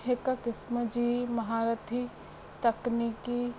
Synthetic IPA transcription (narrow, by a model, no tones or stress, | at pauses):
ɦekakɪsməd͡ʒimɐɦaːɾɐt̪ʰi | t̪ɐkniki